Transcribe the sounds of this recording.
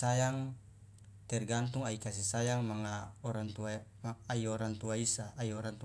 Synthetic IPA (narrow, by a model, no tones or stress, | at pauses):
sajaŋ | t̪ɛrɡant̪uŋaikas̬isajaŋmaŋaɔɾaŋt̪uamaaioɾant̪uaisaːioɾant̪u